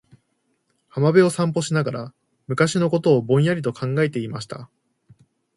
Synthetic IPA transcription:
hamabe̞o̞sãmpo̞ɕinaɡaɾa | mɯ̟kaɕino̞ko̞t̪o̞ːbõ̞ɰ̃jaɾʲit̪o̞kʰãŋɡae̞t̪e̞imaɕi̥t̪a̰

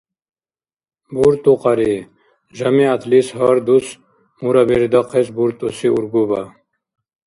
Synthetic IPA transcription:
buɾt̪uqɑɾi | ʑɐmiɐt̪ʰlishaɾd̪us | muɾɐbeɾid̪aqʰesbuɾt̪usiṵɾɡubɐ

